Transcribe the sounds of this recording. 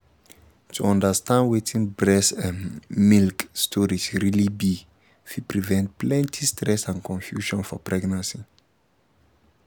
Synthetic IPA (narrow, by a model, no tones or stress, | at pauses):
tʰuɔ̃ndəstãndwetʰĩnbɹɛsãnmilkstʰɔɹisɹilibi | fipɹivɛ̃nt̚plɛ̃ntʰistɹɛsãnkʰɔ̃nfjuʃɔ̃nfɔpɹɛɡnãnsi